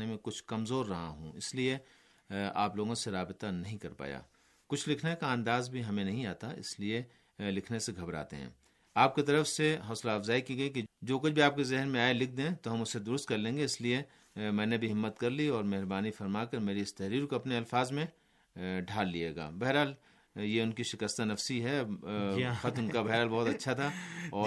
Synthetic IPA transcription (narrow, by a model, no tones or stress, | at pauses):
emẽkʊt͡ʃʰkɐmzoːɾːɐɦa̰ɦṵ̃ɪslie | aːploːɡõseɾaːbɪt̪anɐɦĩkɐɾpa̰ːja̰ː | kʊt͡ʃʰlɪkʰnekaɐ̃nd̪aːzbʱiɦɐmẽnɐɦĩaːt̪aɪ̰slie | lɪkʰneseɡʱɐbɾa̰ːt̪ḛɦɛ̰̃ː | aːp̚ket̪̬ɐɾəfseɦɔːslaɐfzaːikiɡɐiked͡ʒoːkʊt͡ʃʰbʱiaːp̚kezɛɦnmẽaːelɪk̚ʰd̪ẽt̪oɦɐmʊsːed̪ʊɾʊst̪̚kɐɾlẽːŋɡeɪslie | mɛ̃ːnebʱiɦɪmːət̪kɐɾliɔːɾmɛɦɾbaːnifɐɾmaːkɐɾmeːɾiɪst̪ɐɦɾiːɾkoɐpneɐlfaːzmẽ | ɖʱaːlːieːɡa̰ːbɛɦɾaːl | jeʊnkiʃɪkəst̪anɐfsiɦɛ | xɐt̪ʊnkabɛɦɾaːlbɔːʊt̪ɐtːʃʰat̪ʰaɔː